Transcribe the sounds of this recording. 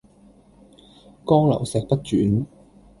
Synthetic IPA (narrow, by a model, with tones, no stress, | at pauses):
kɔː˥ŋlɐ̰˨˩wsɛː˨k̚pɐ˥t̚t͡ʃyː˨˥n